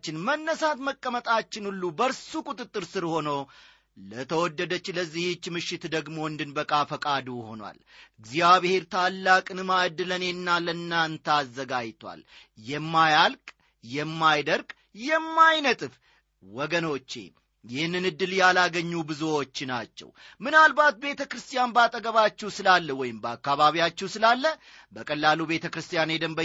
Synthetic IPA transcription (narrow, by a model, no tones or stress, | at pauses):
t͡ʃːɪnmənːəsat̪məkʼːəmət̪ʼat͡ʃːɪnulːubəɾsukʼut̪ʼɨt̪ʼːɨɾsɨɾho̞nəw | lət̪ʰəwɔd̪ːəd̪ət͡ʃːləzːihɪt͡ʃːmɨʃɪt̪d̪əɡmo̞ɨnd̪ɨnbəkʼafəkʼad̪uho̞̰nwa̰lʔɨɡzijaβhe̞ɾt̪ʰalːakʼɨnɨmad̪ːɨlənenːalənːaɨnt̪ʰəazːəɡajt̪ʰwa̰ljɛmːajalkʼ | jɛmːajd̪əɾɡ | jɛmːajnət̪ʼɨf | wɔɡəno̞t͡ʃːḛ | jɪhnːɨnɨd̪ːɨljalaɡəɲːubɨzuwo̞t͡ʃːnat͡ʃːɛ̰w | mɨnalbat̪̚be̞t̪ʰəkɾɨst̪ʰijanbat̪ʼəɡəβat͡ʃːɛwsɨlalːəwɔjɪmbakːaβaβijat͡ʃːɛwsɨlalːə | bəkʼəlːalube̞t̪ʰəkɾɨst̪ʰʼijaned̪əmbə